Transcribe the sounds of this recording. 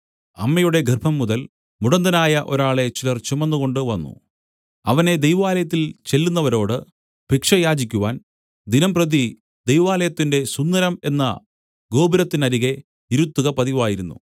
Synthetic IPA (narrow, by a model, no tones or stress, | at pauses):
ɐmːɐjuɽe̞ɡerbʱɐmːuðɐl | muɽɐnd̪ɐnaːjɐʔo̞ɾaːɭe̞t͡ɕilɐrt͡ɕemːɐnːuɣo̞ɳɖɨʋɐnːṵ | ɐʋɐne̞d̪ejʋɐaːlɐjɐt̪̬ːilt͡ɕe̞lːunːɐʋɐɾo̞ːɽɨ | bʱikʂɐjaːd͡ʑikʲːuʋaːn | d̪inɐmprɐði | d̪e̞jʋaːlɐjɐt̪ːinde̞sund̪ːɐɾɐme̞nːɐ̰ | ɡo̞ːbiɾɐt̪ːinɐɾiɣe̞ | iɾut̪ːuɣɐpɐðiʋaːjiɾunːṵ